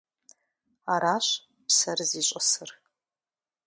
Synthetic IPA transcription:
aːɾaːɕ | psɐrziːɕʷʼɐsɨr

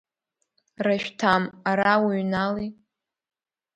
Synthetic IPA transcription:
raʃᶣtʰamaɾawiɥnali

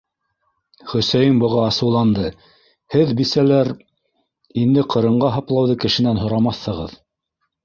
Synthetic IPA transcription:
χɵ̆sæjɘmbɤ̆ʁɑːsɤ̆wlˠɑnd̪ɤ | hɘðbisælæɾ | ind̪ɘqʰɤ̆ɾɤ̆ɴɢɑɦɑplˠɑwðɤkɘ̆ʃɘ̆nænɦŏɾɑmɑθːɤ̆ʁɤ̰ð

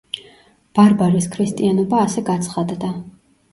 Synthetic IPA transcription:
b̥aɾbaɾiskʰɾist̪ʼianɔbaːsɛɡat̪sʰχad̪d̪a

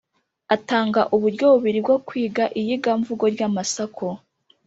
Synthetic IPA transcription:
ataːŋɡaʔuβuɾɟo̞βuβiɾibɡo̞kwiːɡaʔijiɡaɱvuɡo̞ɾɟamasakʰo

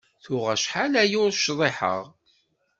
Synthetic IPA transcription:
θʊʁæʃħalæjʊɾʃðˤeħə̰ʁ

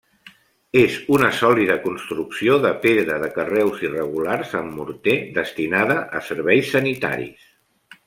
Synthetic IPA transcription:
ezunəsɔliðəkunst̪ɾuksioðəpeðɾəðəkərɛwzirəɣularzəmːuɾt̪eðəst̪inað̞əʔəsəɾβɛjsːənit̪a̰ɾḭs

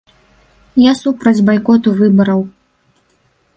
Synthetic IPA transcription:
jasupɾɐd͡zʲbajkɔt̪uvɨbɐɾɐw

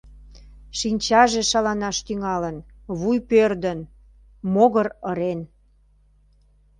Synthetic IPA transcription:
ʃinʲt͡ɕɑʒe̽ʃɑlɑnɑʃt̪yŋɑlən | βujpørd̪ən | moɣəɾəɾen

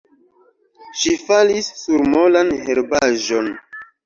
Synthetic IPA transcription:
ʃifalisːuɾmolanheɾbaʒo̞n

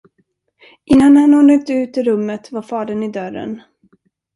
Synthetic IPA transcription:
ʔɪnːanhanɔːnək̚t̪ʉ̟ːt̪ɪɾɵmːət̪vaɾfɑːd̪ənɪd̪œɾə̰n

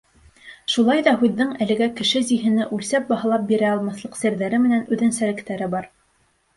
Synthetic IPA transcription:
ʃulˠɑjðɑɦʉðːɘŋælɘ̆ɡækɘ̆ʃɘziɦɘ̆nɘʔʉlsæp̚bɑɦɑ̆lˠɑp̚biɾæɑlˠmɑθlˠɤqsɘ̆ɾðæɾɘmɘ̆nænʉðɘnsæɾɘ̆kt̪æɾɘbɑɾ

